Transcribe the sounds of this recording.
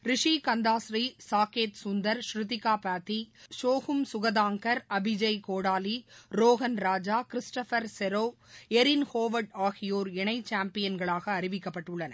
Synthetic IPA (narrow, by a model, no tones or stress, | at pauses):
ɾɪʂikɐnd̪aːsɾisaːkeːt̪sʊnd̪ɐɾʃɾɪt̪ɪkːaːpaːt̪ːiʃoːɣʊmsʊɣɐðaːŋkɐɾɐbɪd͡ʒɐɪkoːɽaːliɾoːɣɐnɾaːd͡ʒaːkɪɾɪsʈɐfɐɾsɛɾoːɛɾɪnhoːʋɐɖaːɣɪjoːɾɛɳɐɪt͡ʃːaːmpɪjɐnɡɐɭaːɣɐːɾɪʋɪkːɐpːɐʈːʊɭːɐnɐ̰